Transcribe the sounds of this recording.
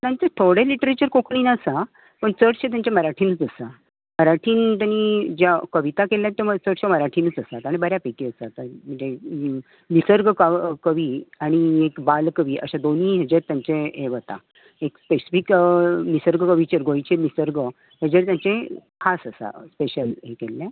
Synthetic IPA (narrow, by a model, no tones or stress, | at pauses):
t̪jãɲt͡set̪ʰoɽeliʈəɾet͡ɕəɾkokʰɳiːnaəsa | pəɳt͡səʈɕẽt̪̬jãɲt͡ɕaməɾaʈʰiːnət͡səsa | məɾaʈʰiːnt̪anid͡ʑjakəʋit̪akeljat̪ːaət͡səʈɕeməɾaʈʰiːnət͡səsat̪aɽ̃ibəɾjapeʈiəsat̪amənd͡ʑe | nisəɾɡkəkəʋiːaɽ̃iekbalkəʋiːʔə̰ɕad̪oniːɦed͡ʑeɾt̪jaɲt͡ɕeeʋət̪a̰ | ekspesi̥fiknisəɾɡəkəʋit͡ɕəɾɡojt͡ɕenisəɾɡə | ɦed͡ʑeɾt̪jãɲt͡ɕekʰasəsa̰speɕəlɦekelːẽ